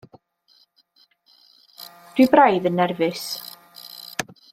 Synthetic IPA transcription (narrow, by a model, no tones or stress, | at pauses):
d̥wibrajðənːɛrvɨs